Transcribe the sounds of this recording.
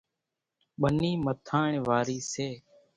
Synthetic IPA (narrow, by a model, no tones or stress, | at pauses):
ɓəniːmət̪ʰaːɳʋaːɾiːseː